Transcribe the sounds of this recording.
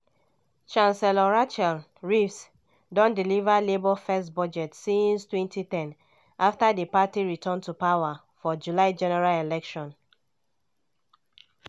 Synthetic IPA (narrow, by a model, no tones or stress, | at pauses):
t͡ʃãnsɛlɔɹat͡ʃɛl | ɹifs | dɔ̃ndilivalebɔfɛstbɔd͡ʒɛtsĩnstwɛ̃ntitɛ̃n | ʔaftadəpatiɹitʰɔ̃ntupawa | fɔd͡ʒulaɪd͡ʒɛnɛɹalelɛkʃɔ̃n